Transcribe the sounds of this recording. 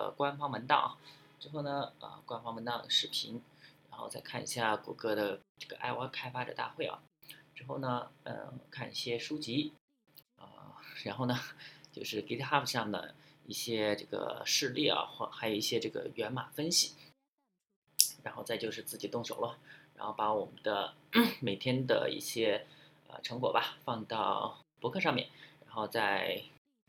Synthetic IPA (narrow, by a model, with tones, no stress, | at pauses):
ə̰˩kwa˥nfɑ˥ŋwə˧˥nt̪ɑ̰˥˩ɐ̰˩ | ʈ͡ʂɻ̩˥˧xo˥˩ʊnə˩ə̰˧˩kwa˥nfɑ˥ŋwə˧˥nt̪ɑ˥˩d̪ə˩ʂɻ̩˥˩pʰḭ˧˥ŋ | ɻa˧˥nxo˥˧ʊt͡sa˥˧ɪkʰa˥˩nḭ˧˩ɕja˥˩kwɔ̰˧˥kɤ˥d̪ə˨ʈ͡ʂɤ˥˩ɡə˩ʔa̰˥˧ɪwa˥˩kʰa˥ɪfa˥ʈ͡ʂə̰˨˩t̪a̰˥˧xwe˥˩ɪʔɐ̰˩ | ɻ̩˥˧˩xo˥˩ʊnə˩ə̰˧˩kʰa˥˧nḭ˥˩ɕjɛ˥ʂu˥t͡ɕi˧˥ | ə̰˧ɻa˧˥nxo˥˩ʊnə˩t͡ɕjo˥˧ʊʂɻ̩˥˩ki˧˥t̪ʰxa˥˩pɕjɑ˥˩ŋd̪ə̰˩i˥˩ɕjɛ˥ʈ͡ʂɤ˥˩ɡə̰˩ʂɻ̩˥˧lḭ˥˩ɐ̰˩xwɔ˥˩xa˧˥ɪjo˨˩i˥˩ɕjɛ˥ʈ͡ʂɤ˥˩ɡə̰˩ɥɛ˧˥nma̰˨˩fə˥nɕi˨˩˦ | ɻa˧˥nxo˥˧ʊt͡sa˥˧t͡ɕjʊʂɻ̩˥˧t͡sɹ̩˥˩t͡ɕi˨˩t̪ʊ˥˩ŋɕjo˨˩ʊlə˧ɻa˧˥nxo˥˩ʊpa˧˥wɔ˨˩mə˦nd̪ə˧me˨˩ɪt̪ʰjɛ˥nd̪ə̰˩ḭ˥˩ɕjɛ˥ | ə̰˧ʈ͡ʂʰɤ˧˥ŋkwɔ˨˩ba˦fɑ˥˧ŋt̪ɑ˥˩ʊpwɔ˧˥kʰɤ˥˧ʂɑ˥˧ŋmjɛ̰˥˩nɻa˧˥nxo˥˧ʊt͡sa˥˩ɪ